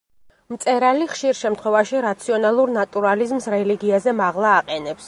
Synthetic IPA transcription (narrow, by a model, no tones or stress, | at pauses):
mt̪sʼɛɾaliχʃiɾʃɛmt̪ʰχwɛvaʃiɾat̪sʰiɔnalˠuɾnat̪ʼuɾalizmsɾɛliɡiazɛmaʁlˠaːqʼɛnɛps